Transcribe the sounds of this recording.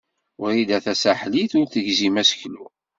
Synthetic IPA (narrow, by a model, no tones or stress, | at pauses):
ʊɾid̪æθæsaħliθʊɾθəʝzimæsə̥çlu